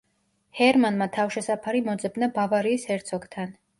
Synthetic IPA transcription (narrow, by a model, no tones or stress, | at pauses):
hɛɾmanmat̪ʰafʃɛsapʰaɾimɔd̪zɛbnabavaɾiːsɛɾt̪sʰɔɡt̪ʰan